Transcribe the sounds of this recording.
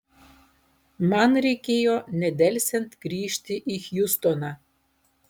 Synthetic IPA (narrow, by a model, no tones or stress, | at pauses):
mɑnɾʲɛɪkʲeːjoːnʲɛd̪ʲɛlʲsʲɛnt̪ɡɾʲiːʃʲt̪ʲɪʔɪxjʊst̪onɑː